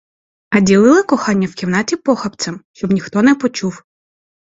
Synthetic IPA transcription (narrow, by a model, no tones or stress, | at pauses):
ɐdʲilˠɪlˠɪkɔxɑnʲːɐwkʲiwnɑtʲipɔxɐp̪sʲɐmʃt͡ʃɔbnʲixt̪ɔnɛpɔt͡ʃuw